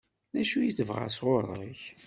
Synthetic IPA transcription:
næʃujiθəvʁa̰sʁoɾˤəç

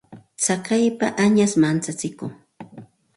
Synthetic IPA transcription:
t͡sakajpaʔaɲasmant͡sat͡sɪkʊŋ

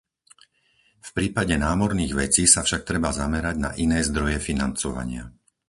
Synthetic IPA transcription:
fpɾiːpaɟɛnaːmɔɾniːɣʋɛt͡siːsafʃak̚t̪ɾɛbazamɛɾaɟna̰ʔinɛːzd̪ɾɔjɛfinant͡sɔʋa̰ɲɪa̰

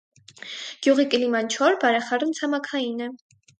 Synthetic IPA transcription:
ɡ̥juʁikəlimɑnt͡ʃʰɔɾbɑɾɛχɑɾnt͡sʰɑmɑkʰɑjinɛ

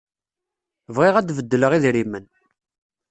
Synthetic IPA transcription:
vʁeʁæd̪vəd̪ːələʁiðɾimən

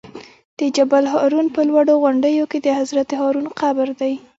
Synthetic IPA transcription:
d̪̥əd͡ʒabalɦɑɾunpəlwaɽoɣʊɳɖəjoked̪əhazɾat̪eɦɑɾunqabɾd̪aj

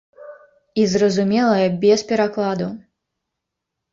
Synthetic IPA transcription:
izrɐzumʲɛlˠɐjɐbʲɛspʲɛɾaklˠad̪u

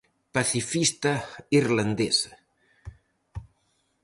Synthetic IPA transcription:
paθifist̪aiɾland̪es

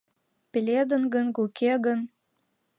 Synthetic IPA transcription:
pʲelʲed̪ənɡənɡukeɣən

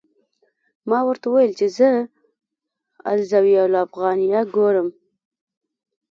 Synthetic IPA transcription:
mɑwəɾt̪awajəlt͡ʃezə | a̰lzawialafɣɑnijaɡoɾəm

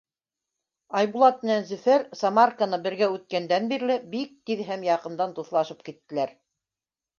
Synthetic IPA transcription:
ɑjbulˠɑt̪̚mɘ̆nænzɵ̆fæɾsɑmarkanɤbɘ̆ɾɡæʉt̪̚kænd̪ænbiɾlɘbik̚t̪iðɦæmjɑqɤ̆nd̪ɑnt̪uθlˠɑʃɤp̚kit̪ːɘ̆læɾ

